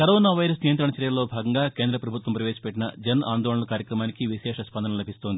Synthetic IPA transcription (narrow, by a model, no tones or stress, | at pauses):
kɐɾoːnaːʋɐjɾɐsnijɐnt̪ɾɐɳɐt͡ʃɐɾjɐlːo̞ːbʱaːɡɐŋɡaːke̞ːnd̪ɾɐpɾɐbʱut̪ʋɐmpɾɐʋeːsɐ̥pɛʈːinɐd͡ʒɐna̰ːnd̪ɔːɭɳɐlɐkaːɾjɐkɾɐmaːnikiʋiʃɛːʂɐspɐnd̪ʱɐnɐlɐbʱist̪o̞ːnd̪ii